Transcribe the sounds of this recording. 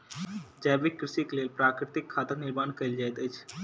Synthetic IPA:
d͡ʒɛːʋɪkːɾɪʃikleːlpɾaːkɾɪt̪ɪkʰːaːt̪ənɪɾmaːnkɐɪld͡ʒaːjt̪ət͡ʃʰ

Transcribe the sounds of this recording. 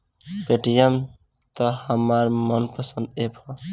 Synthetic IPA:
peʈijam | t̪ʌhʌmaɾmʌnpəsənd̪epʰʌ

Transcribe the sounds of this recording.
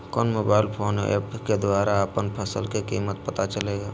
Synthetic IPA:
kɔːnmoːbaːɪlpʰoːnɛ̰ːpked̪ʊaːɾaəpənpʰəsəlkekiːmət̪pət̪at͡ʃəleːɡaː

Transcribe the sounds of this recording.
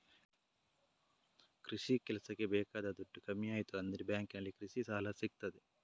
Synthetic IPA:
kɾiʂikɛlɐsɐkːebɛːkaːd̪ɐd̪uʈːukɐmːijaːjit̪uɐnd̪ɐɾibjaːŋkinɐlːikɾiʂisaːlɐsiɡ̚t̪ɐd̪e

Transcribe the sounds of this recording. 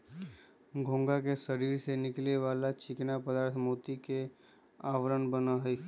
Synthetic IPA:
ɡʱõːŋɡak̬eʃəɾiːɾsenɪkleʋaːlat͡ʃɪknapəd̪aːɾt̪ʰmoːt̪ike | aːʋɾənbənaɦe

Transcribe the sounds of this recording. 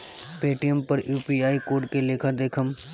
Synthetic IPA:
peːʈijəmpɐɾjuːpiaːikoːɾɖkeleːkʰəɾd̪eːkʰəm

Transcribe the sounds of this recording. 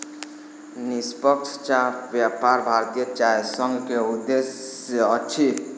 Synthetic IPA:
nispəkt͡ʃʰt͡ʃabjapaɾbʱaɾt̪ijət͡ʃajsəŋɡkeud̪eseət͡ʃʰi

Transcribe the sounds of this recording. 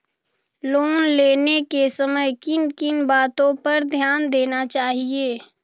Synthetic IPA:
loːnleːnekesəməjkɪnkɪnbaːt̪õpɐɾd̪ʱjaːnd̪eːnat͡ʃaːɦieː

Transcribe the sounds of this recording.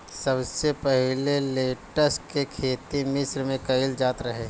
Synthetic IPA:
sɐbsepɐɦɪleleːʈəskekʰeːt̪imɪsɾmẽkɐɪld͡ʒaːt̪ɾɐɦe

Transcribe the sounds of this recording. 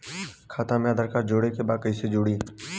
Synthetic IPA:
kʰaːt̪ãmẽəd̪əɾkaːɾd͡ʒoːɽekebaːd̪̚kəiːsed͡ʒoːɽiː

